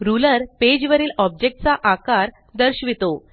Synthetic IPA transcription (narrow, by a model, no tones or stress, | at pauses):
ɾuləɾped͡ʑʋəɾiːlɔb̚d͡ʑek̚ʈ̚t͡saʔakaɾ | d̪əɾɕʋit̪o